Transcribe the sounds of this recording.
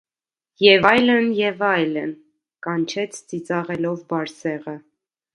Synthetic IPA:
jɛvɑjlənjɛvɑjlən | kɑnt͡ʃʰɛt͡sʰt͡sit͡sɑʁɛlɔvbɑɾsɛʁə

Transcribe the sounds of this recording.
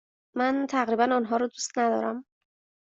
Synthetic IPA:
mænt̪ʰæɣɾiːbænɒnɦɒːɾɔd̪uːst̪næd̪ɒ̰ːɾæm

